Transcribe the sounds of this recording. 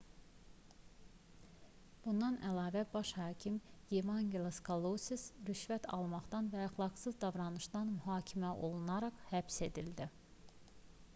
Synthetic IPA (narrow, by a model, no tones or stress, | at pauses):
b̥und̪ɑnælˠɑːvæbɑʃhɑːcʰimjemɑŋɡelˠaskʰolˠosisɾyʃvæt̪ʰɑ̰lˠmɑχd̪ɑnvæːxlˠɑɡsɯzd̪ɑvɾɑnɯʃd̪ɑnmyɦɑːcʰimæʔo̞̰lˠunɑɾɑχhæbse̞d̪ild̪i